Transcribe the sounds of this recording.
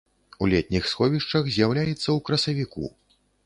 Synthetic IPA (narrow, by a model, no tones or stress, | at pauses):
ulʲɛt̪̚ʲnʲixsxɔvʲiʂt͡ʂɐxzʲjawlʲajɛt̪sːɐwkɾɐsɐvʲikṵ